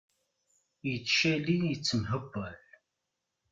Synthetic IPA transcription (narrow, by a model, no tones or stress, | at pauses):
jət͡sːʃælijət͡sːəmɦəbːæl